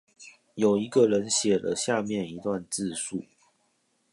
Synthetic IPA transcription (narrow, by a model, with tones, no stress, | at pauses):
jo˨˩ʊi˨˦ɡə˨ɻə˨˦nɕjɛ˨˩lə̰˦ɕja˥˧mjɛ˥˨ni˨˧˦t̪wa˥˧nt͡sɹ̩˥˧su˥˩